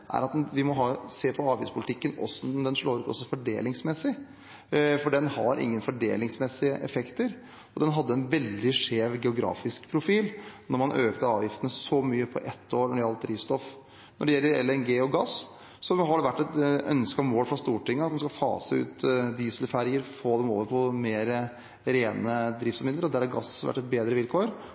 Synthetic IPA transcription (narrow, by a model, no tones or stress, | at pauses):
ʔæ̰ɾɑt̪̚d̪ʋɪmɔɦɑːseːpʰɔɑːʋjɪ̰ftspʰʊlɪt̪ʰɪkːənɔ̰sd̪ɛnʂɭoːɾʉːt̪ɔ̰sːɔfɔɖḛːlɪŋsmɛsɪ | fɔɖɛnhɑɾʔɪ̰ŋːənfɔɖḛːlɪŋsmɛsɪəʔɛfɛkt̪əɾ | ɔd̪ɛnɦɑd̪ːəɛnʋɛld̪ɪʂeːʋɡɛʊɡɾɑ̰ːfɪskpʰɾʊfiːlnɔɾmɑnʔøːkt̪əɑːʋjɪft̪ənəsɔmyːəpʰɔ̰ʔɛt̪ʰːoːɾnɔɖɛɑlt̪̚d̪ɾiːst̪ɔf | nɔɖɛjɛlːəɾɛ̰lːəɾɛnɡeːɔɡɑs | sɔɦɑɖɛʋæʈːɛt̪œ̰nskɑmoːlfɾɑst̪uːʈɪŋːəɑt̪d̪ɛnskɑlfɑ̰ːsəʉ̰ːt̪d̪iːsəlfæɾjəɾfoːd̪ɛmo̰ːʋəɾpʰɔmeːɾə | ɾeːnəd̪ɾɪftsɑmɪnəɾɔd̪æɾhɑɾɡɑsʋæ̰ʈːɛt̪̚beːd̪ɾəʋɪlkʰoːɾ